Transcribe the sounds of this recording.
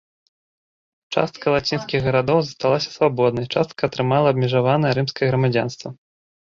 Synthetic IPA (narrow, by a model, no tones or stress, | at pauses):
t͡ʂa̰st̪̚kɐlˠat͡sʲinskʲiɣɣɐɾad̪ɔwzɐst̪alˠasʲɐ̥svabɔd̪̚nɐjt͡ʂast̪̚kɐːt̪ɾɨmalˠɐːbmʲɛʐavanɐjɛɾɨmskɐjɛɣɾɐmad͡zʲa̰nst̪vɐ̰